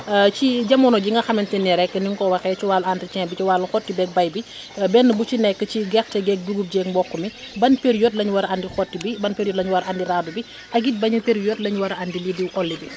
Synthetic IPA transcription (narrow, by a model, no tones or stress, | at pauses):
t͡ʃiɟɐmɔnɔɟiŋɡɐxɐmɛntɛnːiɾɛkːəniŋkɔwɐxɛt͡ʃiwalantɾit͡ʃɛːbit͡ʃiwaːlɐxɔtːibɛk̚bɐjbi | bɛnːəbut͡ʃinɛkːət͡ʃiɡɛxtɛɡɛk̚duɡup̚ɟɛŋmbɔkːumi | bɐnpeɾijɔtlɐɲwɐɾandixɔtːibibɐnpeɾjɔtlɐɲwɐɾʔandiɾaːdubi | ʔɐɡit̚bɐɲipeɾjot̚lɐɲwɐɾandilidiwʔɔlːibi